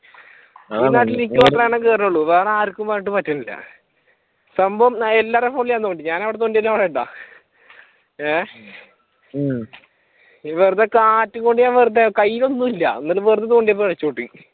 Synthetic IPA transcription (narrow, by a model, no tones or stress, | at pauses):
iːnaːʈ̬ːilikʲːɐt̪ːrɐjaɳeŋkeːrɐnuɭːuʋeːraːɾkʲːumbaːɾiʈ̬ːɨpɐtːɐnilːɐ̰ | sɐmbɐʋɐmelːaːrefoːɳlijaːnt̪oːɳɖiɲaːnɐʋiɽet̪oːɳɖiɐlːaʋɽiʈːa̰ | e | ʋerut̪ːekaːtːɨkːoɳɖijaːʋerut̪̬ːekɐjːilo̞nːumilːɐ̰onːɐlɨʋerɨd̪ːɐt̪oːɳɖijɐp̬ːoɭɐt͡ɕːoːʈːi